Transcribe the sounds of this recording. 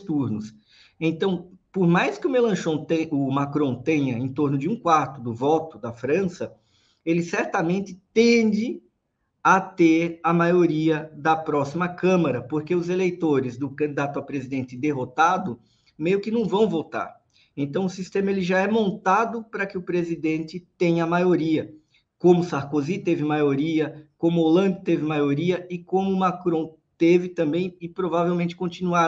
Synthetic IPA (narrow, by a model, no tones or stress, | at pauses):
st̪uɾnʊs | ẽnt̪ɐ̃w̃poɾmajskɪʊmelɐ̃ʃõt̪eʊmakɾõt̪ẽɲɐẽt̪oɾnʊd͡ʒɪũkwaɾt̪ʊd̪ʊvɔt̪ʊd̪ɐfɾɐ̃sɐ | elɪsɛɾt̪ɐmẽnt̪ɪt̪ẽd͡ʒɪ | ɐt̪eɾɐmajoɾiɐd̪ɐpɾɔsimɐkɐ̃mɐɾɐpoɾkeʊzelejt̪oɾɪzd̪ʊkɐ̃nd̪id̪at̪ʊawpɾezid̪ẽnt̪ɪd̪eɦot̪ad̪ʊ | mejʊkɪnɐ̃w̃vɐ̃w̃vot̪a̰ɾ | ẽnt̪ɐ̃w̃ʊsist̪ẽmɐelɪʒaɛmõnt̪ad̪ʊpɾɐkɪʊpɾezid̪ẽnt̪ɪt̪ẽj̃ɐmajoɾiɐ | kõmʊsaɾkozit̪evɪmajoɾiɐkõmʊolɐ̃nd̪ʊt̪evɪmajoɾiɐɪkõmʊːmakɾõw̃ | t̪evɪt̪ɐ̃mbẽj̃ɪpɾovavewmẽt͡ʃɪ̥kõt͡ʃ̪inua